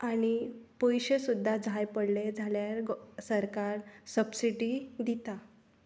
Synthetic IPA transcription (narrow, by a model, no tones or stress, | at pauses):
aɽ̃ipɔjɕəsud̪ʱːad͡zʱajpəɽled͡zʱaljaɾsəɾkaɾsəbsiʈid̪it̪a